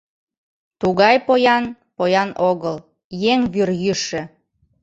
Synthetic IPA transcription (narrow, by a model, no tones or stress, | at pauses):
t̪uɣɑjpojɑn | pojɑnoɣəl | jeŋβyrjyʃĕ